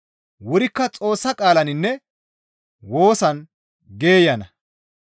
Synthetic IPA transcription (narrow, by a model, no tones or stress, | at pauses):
wʊɾɪkːɐt͡sʼo̞ːsːɐkʼaːlɐnɪnːɛ | wo̞ːsɐn | ɡe̞ːjɐnɐ